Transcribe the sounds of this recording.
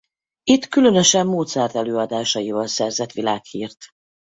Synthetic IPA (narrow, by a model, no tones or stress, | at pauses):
it̪kylø̞nø̞ʃɛmːoːt̪sɛːrt̪ɛløːɒd̪aːʃɒjivɒlsɛrzɛt̪ʋilaːkhiːrt̪